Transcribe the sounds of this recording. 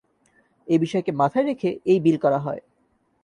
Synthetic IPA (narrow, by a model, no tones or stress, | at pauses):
ebiʃɔekemat̪ʰaeɾekʰeejbilkɔɾaɦɔe